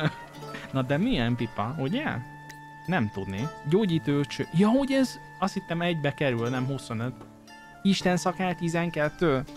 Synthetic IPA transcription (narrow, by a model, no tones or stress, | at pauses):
nɒd̪ɛmijɛmpipːɒho̞ɟɛ | nɛmt̪ud̪niɟoːɟiːt̪øːt͡ʃøjɒho̞ɟɛz | ɒst̪hit̪ːɛmɛɟbɛkɛɾylnɛmɦuso̞nøt̪ | iʃt̪ɛnsɒkaːlt̪izɛŋkɛt̪ːøː